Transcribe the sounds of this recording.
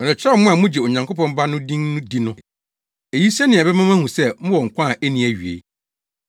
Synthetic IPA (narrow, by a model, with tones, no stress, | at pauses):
ɔ˨ɾɛ˨t͡ɕʰᶣɾɛ˦mʊ̃˦a˨mʊ̃˦d͡ʑɛ˨o˨ɲã˨ŋko˦pɔ̃˦m˦ba˦nʊ̃˦dĩ˦ŋnʊ̃˦di˦nʊ̃˦ | e˨ji˦sɛ˦nɪ̃˨ɛ˨bɛ˦mã˦mã˦hũ˨sɛ˦mʊ̃˦wɔ˨ŋ̩˨kʷʰã˦˨ʔe˦nĩ˨æ˨ɥi˨ḛ˨˦